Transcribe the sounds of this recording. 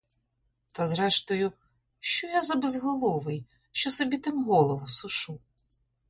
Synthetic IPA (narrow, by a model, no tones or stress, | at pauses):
t̪ɐzɾɛʃt̪ɔjʊ | ʃt͡ʃɔjazɐbezɦɔlˠɔʋɪj | ʃt͡ʃɔsɔbʲit̪ɪmɦɔlˠɔʋʊsʊʃu